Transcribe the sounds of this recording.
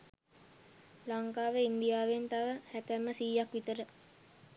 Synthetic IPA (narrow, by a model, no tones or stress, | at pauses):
laŋkaːʋeind̪ijaːʋent̪aʋəhæt̪əməsiːjakʋit̪əɾə